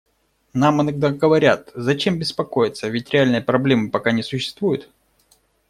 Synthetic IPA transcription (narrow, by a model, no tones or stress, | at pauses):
namɨnɐɡ̚d̪aɡəvɐɾʲat̪zɐt͡ɕe̞mbʲɪspɐko̞jɪt̪səvʲɪtʲɾʲɪalʲnɨjəpɾɐblʲe̞mɨpɐkanʲɪsʊɕːɪ̥st̪vujʊt̪